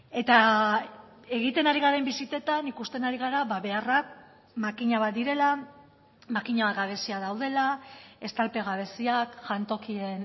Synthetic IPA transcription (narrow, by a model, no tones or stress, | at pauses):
e̞t̪a | e̞ɣ̞it̪e̞naɾiɣaɾembisit̪e̞t̪anikust̪e̞naɾiɣ̞aɾaβaβe̞arak | makiɲaβat̪d̪iɾe̞la | makiɲaβatɡaβ̞e̞siaðawð̞e̞lae̞st̪alpe̞ɣ̞aβ̞e̞siakʝant̪o̞kie̞n